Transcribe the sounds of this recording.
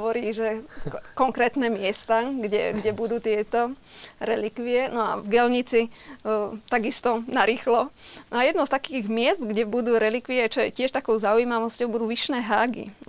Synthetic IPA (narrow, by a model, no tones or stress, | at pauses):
ʋɔɾiːʒɛkɔŋkɾɛːt̪nɛːmɪɛst̪aɡɟɛ̰ɡɟɛbud̪uːt̪ɪɛt̪ɔ | ɾɛlikʋiɛnɔa̰vɡɛlɲit͡si | t̪aɡist̪ɔnaɾiːxlɔnajɛd̪nɔst̪akiːɣmɪɛst̪ɡɟɛbud̪uːɾɛlikʋiɛt͡ʃɔɛcɪɛʃt̪akɔʊzaujiːmaʋɔscɔʊbud̪uːʋiʃnɛːɦaːɡḭ